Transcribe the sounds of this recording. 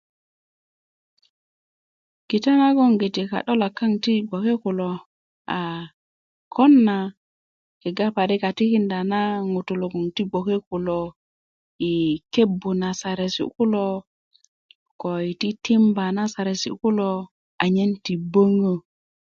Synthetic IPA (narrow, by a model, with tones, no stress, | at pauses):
ki˨ta˦na˦ɡo˦ŋɡi˨ti˨ka̰˨ɗo˦la˨kːa˦ŋti˦ɡo˨ke˦ku˨lo˨ | a˨ | kʰo˦nːa˨ | ki˨ɡa˦pa˨ɾi˦ka˨ti˦ki˦nda˨na˦ŋu˨tu˨lo˨ɡo˨ŋti˦ɡo˨ke˦ku˨lo˨ | i˨ke˦bːu˨na˨sa˨ɾe˨sḭ˨ku˦lo˦ | ko˨i˨ti˦ti˦mba˨na˦sa˨ɾe˨sḭ˨ku˦lo˦ | a˨ɲe˦nti˨bə˦ŋə˦